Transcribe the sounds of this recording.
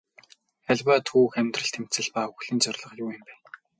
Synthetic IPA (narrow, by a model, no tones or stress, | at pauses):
æɮʲwaːt̪ʰuːxæmʲt̪rə̆ɬt̪ʰem̥t͡sɘ̆ɮpaːuxɮɘ̆nt͡sœr̆ʲɮə̆χjuːjɪ̆mpæːn